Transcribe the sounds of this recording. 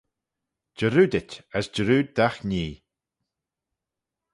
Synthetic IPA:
d͡ʒəɾuːd̪ɪtʲasd͡ʒəɾuːd̪axniː

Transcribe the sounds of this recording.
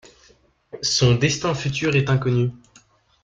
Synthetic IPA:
sɔ̃d̪ɛst̪ɛ̃fyt̪yʁɛt̪ɛ̃kɔny

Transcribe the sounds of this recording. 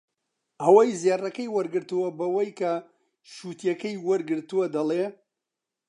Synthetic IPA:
ʔɐwajzjɛrɐkɐjwɐɾɡɨɾt̪uwɐbɐwɐjkʰɐ | ʃut̪ʰjɐkɐjwɐɾɡɨɾt̪uwɐd̪ɐle

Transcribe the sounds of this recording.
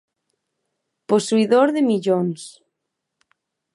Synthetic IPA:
posuiðoɾðemiʎons

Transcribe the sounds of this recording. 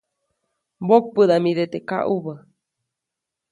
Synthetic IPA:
bok̚pɨd̪amĩɾet̪eka̰ʔuβə

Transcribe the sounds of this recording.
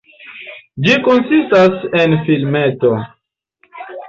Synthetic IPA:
d͡ʒikonsistasenfilmeto̞

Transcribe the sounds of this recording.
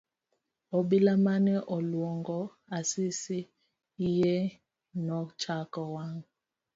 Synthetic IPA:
ɔbilamanɛʔɔlwɔŋɡɔ | asisiː | jɛ | nɔt͡ʃakɔwaŋ

